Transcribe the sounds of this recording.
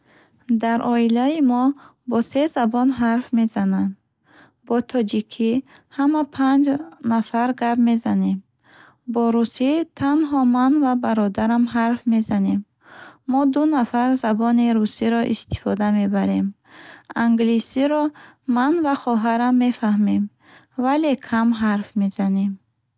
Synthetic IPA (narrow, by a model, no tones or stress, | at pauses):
d̪aɾʔɔilaimɔ | bɔse̞zabɔnɦaɾfme̞zanand̪ | bɔt̪ʰɔd͡ʒikʰihamapʰand͡ʒnafaɾɡabme̞zane̞m | bɔɾusit̪ʰanɦɔmanvabaɾɔd̪aɾamɦaɾfme̞zane̞mː | ɔd̪unafaɾzabɔniɾusiɾɔʔḭst̪i̥fɔd̪ame̞baɾe̞m | aŋɡlisiɾɔ | manvaχɔɦaɾamːe̞fahmem | vale̞kʰamɦaɾfme̞zane̞m